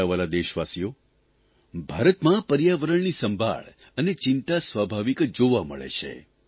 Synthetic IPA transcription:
aʋalad̪eʃʋasijo | bʱaɾət̪mãpəɾjaʋəɾəɳnisəmbʱa̰ɭ | ənet͡ʃɪnt̪asʋabʱaʋikd͡ʒoʋamə̰ɭḛt͡ʃʰḛ

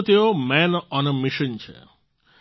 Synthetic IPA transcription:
t̪eomɛnɔnmɪʃənt͡ʃʰḛ

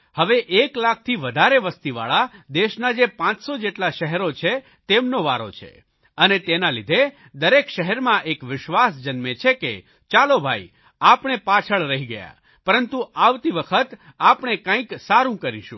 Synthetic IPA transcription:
həʋeʔeklak̚ʰt̪ʰiʋəd̪ʱaɾeʋəst̪iʋa̰ɭad̪eʃnad͡ʒepãt͡ʃsod͡ʒeʈlaʃəɦɛɾot͡ʃʰe | t̪emnoʋaɾo̰t͡ʃʰḛ | ənet̪enalid̪ʱe | d̪əɾekʃəɦɛɾmãʔekʋɪʃʋasd͡ʒənmet͡ʃʰekḛ | t͡ʃalobʱai | apɳepat͡ʃʰəɭɾəɦiɡəja̰ | pəɾənt̪uaʋt̪iʋəkʰət̪ | apɳekãĩksaɾũkəɾḭʃũ

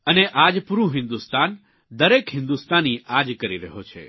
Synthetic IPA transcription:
əneʔad͡ʒpuɾũɦɪ̃nd̪ust̪an | d̪əɾekɦɪ̃nd̪ust̪aniʔad͡ʒkəɾiɾəɦot͡ʃʰḛ

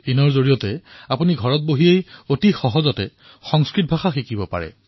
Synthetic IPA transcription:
inɔɹzoɹijɔtɛapuniɡʱɔɹɔt̚boɦiejotixɔɦɔzɔtɛ | xɔŋskɹit̚bʱaxaxikibɔpa̰ɹɛ̰

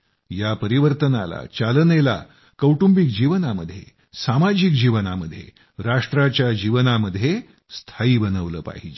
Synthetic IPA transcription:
japəɾiʋəɾt̪ənala̰t͡ɕalənela̰ | kəwʈumbik̚d͡ʑiʋənaməd̪ʱːje | samad͡ʑik̚d͡ʑiʋənaməd̪ʱːjḛ | ɾaʂʈɾat͡ɕjad͡ʑiʋənaməd̪ʱːje | st̪ʰaiːbənəʋləːpa̰ɦid͡ʑe

